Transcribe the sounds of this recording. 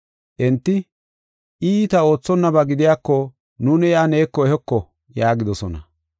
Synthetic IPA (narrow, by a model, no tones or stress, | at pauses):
ʔɛnt̪ːɪ | ʔiːt̪ɐo̞ːt͡sːɔnːɐbɐɡɪd̪ɪjaːkːɔ | nuːnɪjaːneːkːɔɛɦɛkːɔ | jaːɡɪd̪ɔsɔnɐ̰